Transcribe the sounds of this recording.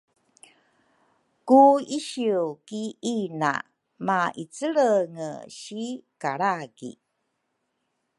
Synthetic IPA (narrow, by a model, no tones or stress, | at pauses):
kuiɕiwkiina̰ | maʔit͡səɭəŋə̰ɕikaɾaɡḭ